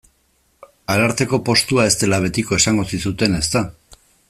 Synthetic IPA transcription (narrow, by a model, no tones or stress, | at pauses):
aɾaɾt̪e̞ko̞po̞st̪uae̞st̪e̞laβ̞e̞t̪iko̞e̞saŋɡo̞sisut̪e̞ne̞st̪a